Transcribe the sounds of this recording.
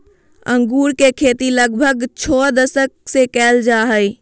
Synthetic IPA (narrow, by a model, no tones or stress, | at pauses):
ə̃ŋɡuːɾkekʰeːt̪iləɡbʱəɡt͡ʃʰɔːd̪əsək̚sekɛːld͡ʒaɦəj